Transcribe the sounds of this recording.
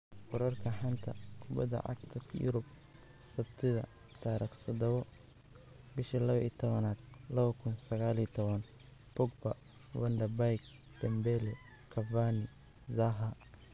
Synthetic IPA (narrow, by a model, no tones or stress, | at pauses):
wʊɾɐrkʰɐħant̪ʰɐkʰʊbɐd̪ɐ̰ʕɑ̰ɡt̪ʰɐjʊ̰ɾʊb | sɐbt̪ʰɪðɐ̰ | t̪ʰaːɾʔɐksɐd̪ɐβɔ | bɪʃɐlɐβɐʔḭːt̪ʰɔβɐnaːd̪̚lɐβɐkʰʊnsɐɣaːlit̪ʰɔβɐn | pʊɡ̚bɐ | wɐnd̪ɐrbajk | d̪̥ɛmbɛlɛ | kʰɐvanɪ | zaɦɐ